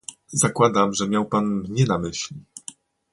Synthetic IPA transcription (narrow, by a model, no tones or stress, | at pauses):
zakwad̪amʐɛmʲjawpanmɲɛnamɘɕlʲi